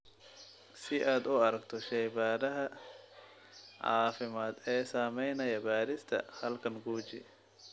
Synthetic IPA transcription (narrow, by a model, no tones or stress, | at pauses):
sɪʔaːd̪ʊɐɾɐɡt̪ʰɔʃɐjbaːɾɐɦɐ | ʕa̰ːfɪmaːd̪ɛːsaːmɛjnɐjɐbaːɾɪst̪ʰɐ̰hɐlkʰɐŋɡuːt͡ʃɪ̰